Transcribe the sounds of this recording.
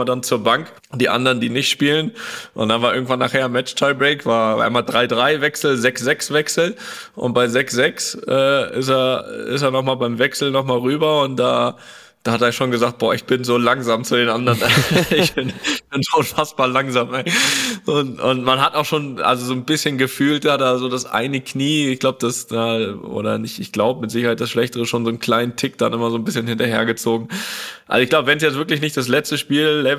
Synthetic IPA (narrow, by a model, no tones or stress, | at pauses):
mɐdant͡suːɐbaŋk | d̥iːʔa̰ndɐʁəndiːnɪçtʃpiːlənʔʊ̰ntd̥anvaːɐʔɪɐɡŋ̩tv̥anaːχheːɐnmɛt͡ʃtʰaɪbʁeɪkv̥aːɐ̰a̰ɪmaːldʁaɪdʁaɪvɛksl̩zɛksz̥ɛksv̥ɛksl̩ʔʊ̰nt̚b̥aɪzɛksz̥ɛksʔɛːɪ̰steːɐɪ̰steːɐnɔχmaːlbaɪmvɛksl̩nɔχmaːlʁyːbɐʊnt̚d̥a̰ː | d̥aːhateːɐʃoːnɡəzaːkt̚b̥ɔːɐɪçb̥ɪnzoːlaŋzaːmt͡sudeːnʔandəʁənɪçb̥ɪnb̥ɪnzoʊnfasb̥aːɐlaŋzaːmɛʔʊntʊntmanɦataʊxʃoːnʔa̰lzozoːnbɪsçənɡəfyːltd̥ahat̚d̥aːzoːdasʔa̰ɪnəkʰniːɪçɡ̥laʊbəd̥asnaʔo̰ːɾɐ̰nɪçtɪçɡ̥laʊbəmɪtz̥ɪçɐhaɪt̚d̥asʃlɛçtəʁəʃoːnzoːnkʰl̥aɪnəntʰɪk̚d̥a̰nʔɪmɐzoːnbɪsçənhɪntɐhḛːɐɡət͡soːɡŋ̩ʔa̰lzoɪçɡ̥laʊbəvɛns̬jɛt͡stvɪɐklɪç̬nɪçtd̥as̬lɛt͡stəʃpiːlːɛ